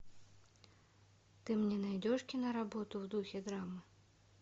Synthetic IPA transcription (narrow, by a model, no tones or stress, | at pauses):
t̪ɨmnʲɛnajdd͡zʲɔʂkʲinɐɾabɔt̪uwd̪uxʲɛd̪ɾamɨ